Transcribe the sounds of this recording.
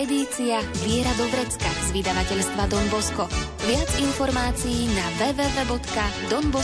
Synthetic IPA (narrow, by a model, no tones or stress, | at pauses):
ɛd̪iːt͡siavɪɛɾad̪ɔɡɾɛt͡skaz̥ʋid̪aʋacɛʎst̪ʋad̪ɔnbɔskɔ | ʋɪad͡zinfɔɾmaːt͡sijːnaʋɛːvɛvɛːbɔt̪kad̪ɔnbɔ